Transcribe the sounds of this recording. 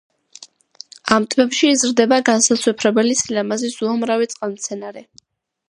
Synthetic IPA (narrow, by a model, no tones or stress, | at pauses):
amt̪ʼʰmɛpʃiːzɾd̪ɛbaɡansaswɛpʰɾɛbɛlisilɛmazisuamɾavit̪sʼqʼalˠmt̪sʰɛnaɾɛ